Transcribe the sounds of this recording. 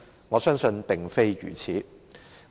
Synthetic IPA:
ŋɔː˨˧sœː˥ŋsɵ˧npɪ˨ŋfe˥jjy̰ː˨˩t͡sʰiː˨˥

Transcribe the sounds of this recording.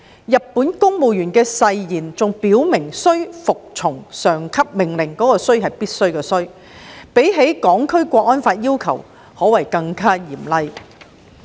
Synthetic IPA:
jɐ˨t̚pːuː˨˥nkʊ˥ŋmo˨wjyː˨˩nkɛː˧sɐ˧jjiː˨˩nt͡sʊ˨ŋpiː˨˥wmɪ˨˩ŋsɵ˥ɥfʊ˨k̚t͡sʰʊ˨˩ŋsœː˨ŋkʰɐ˥p̚mɪ˨˩ŋlɪ˨˩ŋkɔː˨˥kɔː˧sɵ˥ɥɦɐ˨jpiː˥t̚sɵ˥ɥkɛː˧sɵ˥ɥ | pe˨˥jɦe˨˥jkɔː˨˥ŋkʰɵ˥ɥkʷɔː˧k̚ʔɔː˥nfaː˧t̚jiː˥wkʰɐ˨˩w | hɔː˨˥wɐ˨˩jkɐ˧ŋkʰaː˥jiː˨˩mlɐ˧j

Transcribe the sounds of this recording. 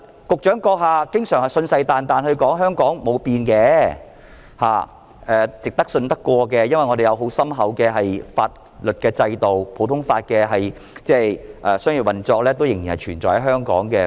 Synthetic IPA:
kʊ˨k̚t͡ʃœː˨˥ŋkɔː˧k̚ɦaː˨˧kɪ˥ŋsœː˨˩ŋhɐ˨˩jsɵ˧nsɐ˧jt̪aː˨nt̪aː˨nhɵ˧ɥkɔː˨˥ŋɦœː˥ŋkɔː˨˥ŋmo˨˧wpiː˧nkɛː˧ | ha̰ː˨ | ʔɛː˨t͡sɪ˨k̚t̪ɐ˥k̚sɵ˧nt̪ɐ˥kʷːɔː˧k̬ɛ˧jɐ˥nwɐ˨jŋɔ˨˧d̪e˨jɐ˨˧wɦo˨˥wsɐ˥mɦɐ˨˥wkɛː˧ɦɐ˨jfaː˧t̚ | lɵ˨t̚kɛː˧t͡sɐ˧jt̪o˨wpʰo˨˥wt̪ʰʊ˥ŋfaː˧t̚kɛː˧ɦɐ˨j | t͡sɛː˥˩ʔɛː˨sœː˥ŋjy˨˩wɐ˨nt͡sɔː˧k̚lɛː˥t̪o˥wjɪ˨˩ŋjiː˨˩hɐ˨jt͡ʃʰyː˨˩nt͡sɔ̰ː˨jhɐ˨˦jɦœː˥ŋkɔ̰ː˨˥ŋkɛː˧

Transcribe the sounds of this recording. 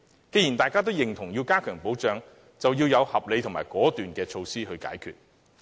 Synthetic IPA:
ke˧ji˨˩nt̪aː˨jkaː˥t̪o˥wjɪ˨˩ŋt̪ʰʊ˨˩ŋjiː˧wkaː˥kʰœː˨˩ŋpo˨˥wt͡ʃœː˨˧ŋ | t͡sɐ˨wjiː˧wjɐ˨˧whɐ˨p̚le˨˧jt̪ʰʊ˨˩ŋmaː˨˩jkɔː˨˥t̪yː˨nkɛː˧t͡ʃʰo˧wsiː˥ɦɵ˧ɥka̰ː˨˥jkʰy̰ː˨t̚

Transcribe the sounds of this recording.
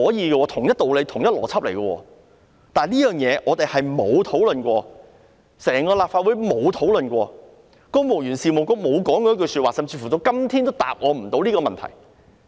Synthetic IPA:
ɔː˨˥jiː˧ɡɛ˧wɔː˧t̪ʰʊ˨˩ŋjɐ˥t̚t̪o˨wle˨˧jt̪ʰʊ˨˩ŋjɐ˥t̚lɔː˨˩t͡sʰɐ˥p̚le˨˩jɡɔ˧wɔ̰ː˧ | t̪aː˨liː˥jœː˨ŋjɛː˨˧ʔɔː˨˧t̪e˨jhɐ˨jmo˨˧wt̪ʰo˨˥wlɵ˨nkwɔː˧ | sɛː˨˩ŋkɔː˧laː˨p̚faː˧t̚wuː˨˥jmo˨˧wt̪ʰo˨˥wlɵ˨nkʷɔː˧ | kɔː˧ŋmo˨˩wjyː˨˩nsiː˨mo˨wkɔ˥˧˥mo˨˧wkɔː˨˥ŋkɔː˧˥jk̬ɵ˧syː˧t̚waː˨˩sɐ˨mt͡si˧fu˨˩t͡so˧wkɐ˥mt̪ʰiː˥nt̪o˥wt̪a̰ː˨p̚ŋɔː˨˧m̩˨˩t̪o˨˥wliː˥kɔː˧mɐ˨nt̪ʰɐ̰˨˩j

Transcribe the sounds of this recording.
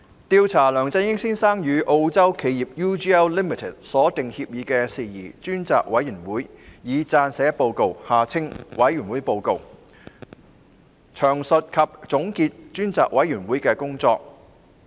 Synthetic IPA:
t̪iː˧wt͡sʰaː˨˩lœː˨˩ŋt͡sɐ˧jjɪ˥ŋsiː˥nsaː˥ŋjyː˨˧ʔo˧wt͡sɐ˥wkʰe˨˧jjiː˨p̚juː˥t͡ʃiː˥ɛ˥wliː˥mi˨tʰɪ˨˩t̚sɔː˨˥t̪ɪ˨ŋhiː˧p̚jiː˨˧kɛː˧siː˨jḭː˨˩t͡ʃyː˥nt͡sa̰ː˨k̚wɐ˨˥jyː˨˩nwuː˨˥jjiː˨˧t͡saː˧nsɛː˨˥po˧wko˧whaː˨t͡sʰɪ˥ŋwɐ˨˥jyː˨˩nwuː˨˥jpo˧wko˨˧w | t͡ʃʰœː˨˩ŋsɵ˨t̚kʰɐ˨p̚t͡sʊ˨˥ŋkiː˧t̚t͡ʃyː˥nt͡sa̰ː˨k̚wɐ˨˥jyː˨˩nwuː˨˥jkɛː˧kʊ˥ŋt͡sɔː˧k̚

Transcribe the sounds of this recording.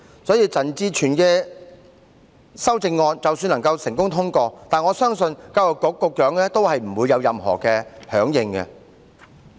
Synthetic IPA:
sɔː˨˥jiː˧t͡sɐ˨nt͡siː˧t͡ʃʰyː˨˩nkɛː˧ | sɐ˥wt͡sɪ˧ŋːɔː˧nt͡sɐ˨wsyː˧nlɐ˨˩ŋkɐ˧wsɪ˨˩ŋkʊ˥ŋt̪ʰʊ˥ŋkɔː˧t̪aː˨nŋɔː˨˧sœː˥ŋsɵ˧nkɐ˧wjɔ˨˩kːɔː˨˥kːɔː˧kːœː˨˥ŋlɛː˥t̪o˥whɐ˨jm̩˨˩wuː˨˧jːɐ˨˧wjɐ˨mhɔ̰ː˨˩kɛː˧hœː˨˥ŋjɪ˧ŋkɛ̰˧

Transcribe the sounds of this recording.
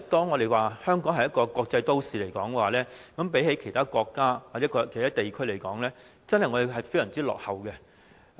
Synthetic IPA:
t̪ɔː˥ŋːɔː˨˧e˨jwaː˨hœː˥ŋkɔː˨˥ŋhɐ˨jɐ˥t̚kɔː˧kwɔː˧k̚t͡sɐ˧jt̪o˥wsiː˨˩le˨˩jkɔː˨˥ŋkɛ˧waː˨˩lɛː˥kɐ˨˥mpe˨˥jhe˨˥jkʰe˨˩jt̪ʰaː˥kʷɔː˧kːaː˥waː˨˩t͡sɛː˨˥kɔ˧kʰt̪ʰaː˥t̪e˨jkʰɵ˥ɥle˨˩jkɔː˨˥ŋlɛː˥ | t͡sɐ˥nhɐ˨jŋɔː˨˧e˨˧jɦɐ˨jfe˥jsɐ˨˩ŋt͡siː˥lɔ̰ː˨k̚hɐ˨˩wkɛ˧

